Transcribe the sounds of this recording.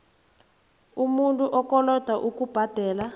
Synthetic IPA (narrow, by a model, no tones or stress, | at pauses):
umuntʼuʔɔkɔlɔd̥ʱaʔukub̥ʱad̥ʱɛːla